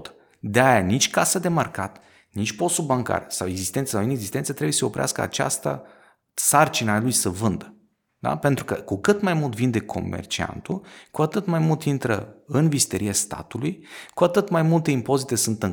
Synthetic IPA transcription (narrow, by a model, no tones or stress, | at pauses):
t̪ | d̪eajanit͡ʃʲkasəd̪e̞marka̰t̪ | nit͡ʃʲpo̞st̪ulbaŋka̰rsawe̞ɡzist̪e̞nt̪səsawine̞ɡzist̪e̞nsət̪ɾebujeseopɾea̰skəa̰t͡ʃa̰st̪a̰ | sart͡ʃinalujsəvɨnd̪ə | d̪a̰pe̞nt̪ɾukə̰kukɨt̪majmult̪vind̪e̞kʰo̞̰mḛrt͡ʃia̰nt̪ukuat̪ɨt̪majmult̪int̪ɾə̰ɨnvist̪eɾiast̪a̰t̪ulujkuat̪ɨt̪majmult̪e̞impo̞zit̪e̞sunt̪ɨŋ